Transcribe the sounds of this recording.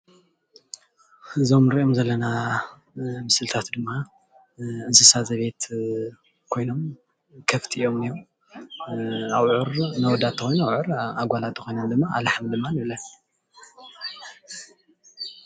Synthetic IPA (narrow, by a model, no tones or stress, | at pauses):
ɨzo̞mɨɾiʔo̞mzɐlːɐna | mɨsɨlt̪ʰat̪d̪ɨmːa | ʔɨnsɨsazɐβe̞t̪ | kʰo̞jno̞m | kʰɐft̪ʰijo̞mnijom | awʕɾnɐwɔd̪at̪ʰːɐxojnawʕɨɾaɡʷalat̪ʰːɨxo̞jnɐmd̪ɨmːaa̰laħamd̪ɨmːanɨβlɐn